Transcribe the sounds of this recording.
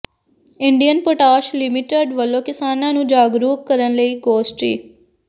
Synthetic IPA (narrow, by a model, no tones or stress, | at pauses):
ɪɳɖijənpoʈaːʃlɪmɪʈeɖʋəlːõːkɪsaːnãːnũːd͡ʒaːɡɾuːkkəɾənləiːɡoːsʈḭː